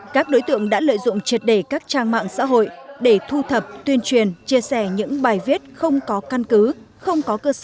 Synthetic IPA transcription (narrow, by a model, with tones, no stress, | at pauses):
kaː˦˥k̚ɗo˨˦jt̪ɨ̰˧˨əŋɗa̰ː˧˥lə̰ː˧˨jzʊ̰˧˨ŋ͡mt͡ɕi˨˩ət̚ɗe˧˩kaː˦˥k̚t͡ɕaː˧ŋma̰ː˧˨ŋsa̰ː˧˥ɦo̰˧˨jɗe˧˩t̪ʰu˧t̪ʰə˨˩p̚t̪wi˧ənt͡ɕwi˨˩ənt͡ɕi˧əsɛ˧˩ɲɨ̰˧˥ŋɓaː˨˩jvi˦˥t̚xə˧wŋ͡mkɔ˨˦ka˧nkɨ˨˦ | xə˧wŋ͡mkɔ˨˦kəː˧səː˧˩